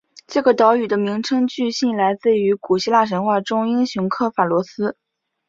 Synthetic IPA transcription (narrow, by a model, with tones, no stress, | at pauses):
ʈ͡ʂɤ˥˩ɡə˩t̪ɑ˧˥ʊy˨˩d̪ə˦mi˧˥ŋʈ͡ʂʰɤ˥ŋt͡ɕy˥˧ɕi˥˩nla˧˥ɪt͡sɹ̩˥˩y˧˥ku˨˩ɕi˥˧la˥˩ʂ̬ə˧˥nxwa˥˩ʈ͡ʂʊ˥ŋi˥nɕjʊ˧˥ŋkʰɤ˥˩fa˨˩lwɔ˧˥sɹ̩˥